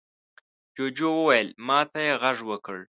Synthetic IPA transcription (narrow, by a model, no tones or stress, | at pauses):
d͡ʒod͡ʒowəwajəlmɑt̪ajeɣaʐwəkəɽ